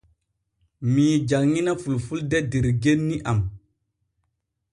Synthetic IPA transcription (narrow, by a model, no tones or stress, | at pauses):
mid͡ʒakŋinafulfuldɛdeɾɡenːiʔam